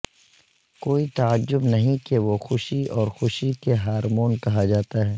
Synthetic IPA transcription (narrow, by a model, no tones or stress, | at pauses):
koːit̪aəd͡ʒːʊbnɐɦĩkeʋoxʊʃiɔːɾxʊʃikeɦaːɾmoːnkɐɦad͡ʒaːt̪aɦɛː